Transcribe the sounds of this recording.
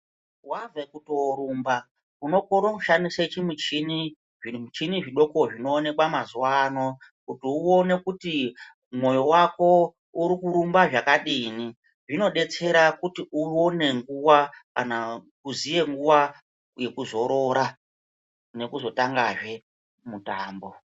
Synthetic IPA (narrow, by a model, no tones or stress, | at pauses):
wavekutooɾumba | uno̞koɾokuʃandiset͡ʃimut͡ʃini | ʐiut͡ʃiniʐiɗo̞ko̞ʐino̞ːne̞kwamazuwano̞kutiuone̞kuti | mwo̞jo̞wako̞ | uɾikuɾumbaʐakaɗini | ʐino̞ɗe̞t͡se̞ɾakutiuwone̞ŋɡuwaka̰nakuzije̞ŋɡuwa | je̞kuzo̞ɾo̞ɾa | ne̞kuzo̞taŋɡaʐe̞ | mutaːmbo̞